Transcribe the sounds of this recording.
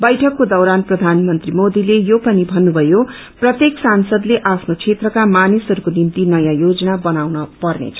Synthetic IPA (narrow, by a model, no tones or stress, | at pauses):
bʌjʈʰʌkːod̪ʌwɾanprʌd̪ʱanmʌnt̪rimod̪ilejopʌnibʱʌnːubʱʌjo | prʌt̪jeksansʌd̪leʔapʰnot͡sʰet̪rʌkamanisʌɾukonimt̪inʌjãjod͡zʌnabʌnawnʌpʌrnḛt͡sʰʌ̥